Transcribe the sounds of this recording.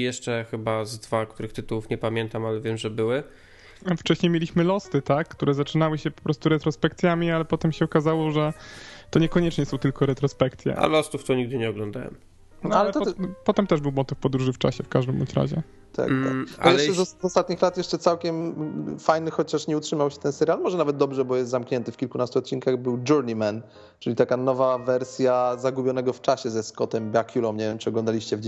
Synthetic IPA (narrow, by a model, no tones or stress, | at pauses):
jɛʂt͡ʂɛxɘbazd̪vakt̪uɾɘxt̪ɘt̪uwufɲɛpamʲjɛnt̪amalɛvʲjɛmʐɛbɘwɘ | ft͡ʂɛɕɲejmʲjelʲiɕmɘlɔst̪ɘt̪akːt̪uɾɛzat͡ʂɘnawɘɕɛpɔ̥pɾɔst̪uɾɛt̪ɾɔspɛkt̪sʲjamʲialɛpɔt̪ɛmɕɛɔkazawɔʐɛt̪ɔɲɛkɔɲɛt͡ʂɲɛsɔ̃w̃t̪ɘlkɔɾɛt̪ɾɔspɛkt̪sʲjɛ̰a̰lɔst̪uft̪ɔɲiɡ̚d̪ɘɲɛɔɡlɔ̃nd̪a̰wɛ̰m | nɔalɛlɛt̪ɔpɔt̪ɛmt̪ɛʐbɘwmɔt̪ɨfpɔd̪ɾuʐɘft͡ʂa̰ɕɛfkaʐd̪ɘmɔ̰t͡ɕɾa̰ʑɛ̰ | t̪a̰t̪a̰ajɛɛzɔzɔst̪at̪ɲixlat̪jɛʂt͡ʂɛt̪sawkʲɛmfajnɘxɔt͡ɕaʂɲɛutʂɘmawɕɛt̪ɛnsɛɾjalmɔʐɛnavɛt̪̚d̪ɔbʐɛbɔjɛst̪zamkɲɛnt̪ɘfkʲilkunast̪uɔt̪̚t͡ɕːinkaɣbɘwd͡ʒuɾɲimɛn | t͡ʂɨlʲit̪akanɔvavɛɾsʲjazaɡubʲjɔnɛɡɔft͡ʂaɕɛzɛskɔt̪ɛmbʲjakʲulɔmɲɛvʲjɛmt͡ʂɨɔɡlɔnd̪alʲiɕt͡ɕɛvd͡ʑ